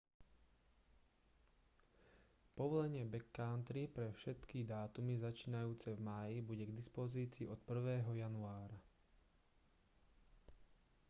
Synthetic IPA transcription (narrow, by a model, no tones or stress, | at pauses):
pɔʋɔlɛɲɪɛbɛkːaʊnt̪ɾipɾɛfʃɛt̪kid̪aːt̪umizat͡ʃiːnajuːt͡sɛvmaːjibuɟɛɡd̪ispɔziːt͡siːʔɔt̪pr̩ʋɛːɦɔjanuaːɾa